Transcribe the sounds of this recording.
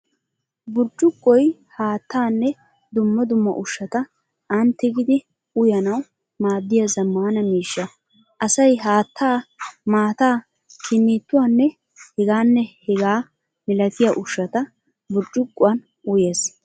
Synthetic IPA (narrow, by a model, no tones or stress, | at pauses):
bʊɾt͡ʃʼːʊkʼːɔjhaːt̪ːaːnːɛ | d̪ʊmːɐd̪ʊmːɐ̰ʔʊʃːɐt̪ɐ | ʔɐnt̪ːɛɡɪd̪ɪ | ʊjɐnɐw | maːd̪ːɪjɐzɐmːaːnɐmiːʃːɐ | ʔɐsɐjɦaːt̪ʰːaːmaːt̪aː | kɪnːiːt̪ːʊwanːɛ | hɛɡaːnːɛhɛɡaː | mɪlɐt̪ɪjaʔʊʃːɐt̪ɐ | bʊt͡ʃʼːʊkʼːʊwɐn | ʔʊjeːs